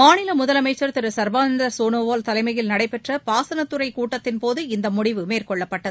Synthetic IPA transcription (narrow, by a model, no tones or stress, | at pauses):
maːɳɪlɐmʊðɐlɐmɐɪt͡ʃːɐɾt̪ɪɾɯsɐɾbaːnɐnd̪ɾɐɾsoːnoːʋaːlt̪ɐlɐɪmɐjɪlnɐɽɐɪpɛʈrɐpaːsɐnɐt̪ːɯɾɐɪkuːʈːɐt̪ːɪnpoːðɯɪnd̪ɐmʊɽɪʋɯmeːrkɔɭːɐpːɐʈːɐðɯ